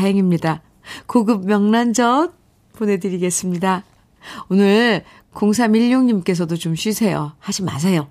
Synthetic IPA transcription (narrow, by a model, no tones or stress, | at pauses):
ɦeŋimɲida | koɡɯb̚mjʌŋnand͡ʑʌt̚ | pone̞dɯɾiɡe̞s͈ɯmɲida | onɯɾ | koŋs̬ʰamiʎːoŋɲimk͈e̞s̬ʰʌdot͡ɕomɕʰɥisʰe̞jo̰had͡ʑima̰s̬ʰe̞jo